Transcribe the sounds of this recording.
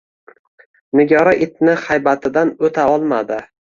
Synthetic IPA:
nɪɡʲɒɾaʔɪt̪̚nɪhajbat̪ʰɪd̪anot̪ʰaɒlˠmad̪ɪ

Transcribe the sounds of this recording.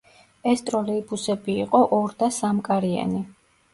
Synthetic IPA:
ɛst̪ʼɾɔlɛibusɛbiːqʼɔʔɔɾd̪asamkʼaɾia̰ni

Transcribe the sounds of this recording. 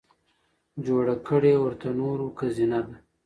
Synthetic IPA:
d͡ʒoɽakəɽewəɾt̪anoɾokazinad̪a

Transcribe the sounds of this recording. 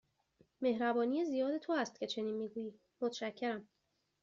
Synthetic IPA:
me̞hɾæbɒːnijezijɒːd̪e̞t̪ʰoæst̪̚cʰe̞t͡ʃʰe̞niːnmiːɡuːjiː | mot̪ʰʃæcʰːe̞ɾæm

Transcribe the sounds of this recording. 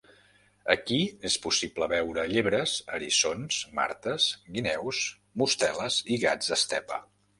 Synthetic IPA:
əkiespusipləβɛwɾəʎeβɾəzəɾisonsma̰ɾt̪əz̥ɡinɛws | must̪ɛləziɣad͡zd̪əst̪ɛpə̰

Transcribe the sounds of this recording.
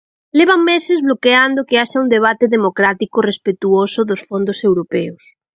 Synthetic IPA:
leβ̞aŋmesezβlokeand̪okeaʃaund̪eβ̞at̪eðemokɾat̪ikorespet̪uosoðosfond̪osewɾopeos

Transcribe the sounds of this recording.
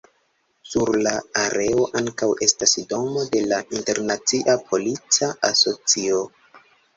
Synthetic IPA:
suɾlaaɾʔe̞o̞ʔaŋkawe̞stasdo̞mo̞de̞laʔinte̞ɾnat͡siʔapʰo̞lit͡saaso̞t͡sio̞

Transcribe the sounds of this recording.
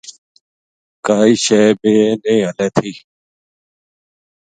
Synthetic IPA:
kaːiːʃeːbeːnẽːɦəleːt̪ʰiː

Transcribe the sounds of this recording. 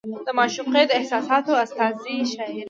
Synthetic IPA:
d̪əmɑʃuqed̪əɪhsɑsɑt̪oast̪ɑziʃaiɾ

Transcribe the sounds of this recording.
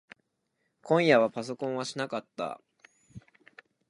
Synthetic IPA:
kõ̞ɰ̃jaβapas̬o̞kõɰ̃βaɕinakat̪ːa̰

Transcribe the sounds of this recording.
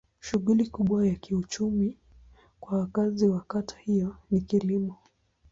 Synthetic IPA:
ʃuɣulikuɓwajakiut͡ʃumi | kwawakaziwakatʰḁhijɔnikilimɔ

